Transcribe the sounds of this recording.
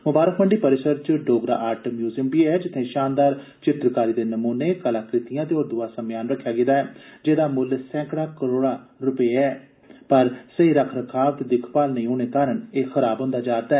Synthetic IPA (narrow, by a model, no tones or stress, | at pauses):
mʊbaːɾəkʰməɳɖiːpəɾɪsəɾt͡ʃɖoːɡɾa̰ːʔaːɾʈəmjuːzəmpiːɛːd͡ʒɪt̪ʰːẽːʃaːnd̪aːɾ | t͡ʃɪt̪ɾkaːɾiːd̪eːnəmuːneːkəlaːkɾɪt̪ijãːt̪eoːɾd̪ʊaːsəmjaːnɾəkʰːjaːɡɪd̪aːɛːd͡ʒeːd̪aːmʊlsɛ̃ːkɽaːkəɾoːɽaːɾʊpeːɛː | pəɾsəiːɾəkʰɾəkʰaːʋt̪d̪ɪkʰpaːlnəĩːoːɽ̃eːkaːɾəɳeːxʰəɾaːbɦõːnd̪aːd͡ʒaːɾd̪aːɛː